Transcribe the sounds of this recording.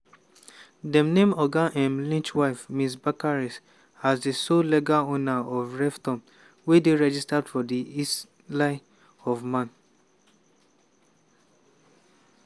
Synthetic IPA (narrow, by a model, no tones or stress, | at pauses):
dɛ̃mnẽmɔɡaʔɛ̃mlĩnt͡ʃwaɪfmĩsbakaɹɛs | azdesolɛɡaonaɔvɹɛftɔ̃m | wedeɹɛd͡ʒistadfɔdiis | laɪ | ɔvmãn